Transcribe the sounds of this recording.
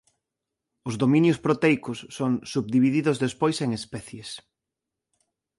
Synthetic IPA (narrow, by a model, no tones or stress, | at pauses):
ʊzðomĩnjʊspɾot̪ɛjkʊsːoŋsuβd̪iβiðiðʊzðespojseŋespɛθjes